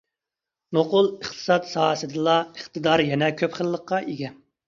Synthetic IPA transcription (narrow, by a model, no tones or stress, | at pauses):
noqʊlˠəχt̪ʰɨ̥sɑt̪sɑːsɨd̪ɨlˠɑəχt̪ɨd̪ɑɾjɛnɛkʲʰøpχəlˠːəqːɑʔeɡʲɛ